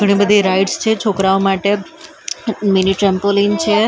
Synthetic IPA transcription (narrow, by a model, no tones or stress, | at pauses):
ɡəɽ̃ibəd̪ʱiɾaiɖst͡ʃʰet͡ʃʰokɾaomaʈe | miniʈɾɛmpolint͡ʃʰe